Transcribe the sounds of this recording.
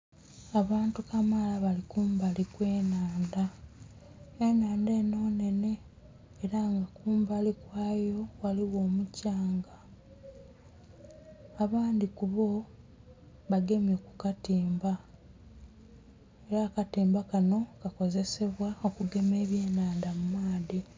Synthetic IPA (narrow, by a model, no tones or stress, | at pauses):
aβaːntukamalaβalikuːmbalikwe̞ːnaːnda | enaːnde̞ːno̞ːne̞ne̞ː | ɾaŋɡakuːmbalikwaːjo̞waliwo̞ːmucaːŋɡa | βaːnd̪ikuβo̞ | βaɡe̞mjokukatiːmba | e̞ɾaːkatiːmbakano̞kako̞ze̞se̞βwaokuɡe̞me̞ːβje̞ːnaːndamumaːði